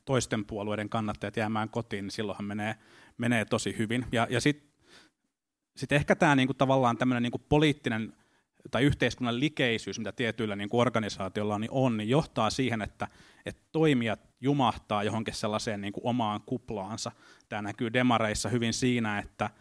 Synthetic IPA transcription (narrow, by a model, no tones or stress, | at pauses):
t̪oist̪empuɑlueiɾeŋkɑnːɑt̪ːɑjɑt̪jæːmæːŋkot̪iːnnisilːohɑmmeneː | meneːt̪osihyʋinjɑjɑsit̪ | sit̪ehkæt̪æːniːŋkut̪ɑʋɑlːɑːnt̪æmːøneniːŋkuppoliːt̪ːinen | t̪ɑiyht̪eiskunːɑllikeisyːsmit̪æt̪iet̪yilːæniːŋkuorɡɑnisɑːt̪iolːɑniʔonnijjoht̪ɑːsiːhenet̪ːæ | et̪toimiɑt̪ | jumɑht̪ɑːjohoŋkisselːɑseːnniːŋkuʔomɑːŋkuplɑːnsɑ | t̪æːnækyːdemɑreisːɑhyʋinsiːnæet̪ːæ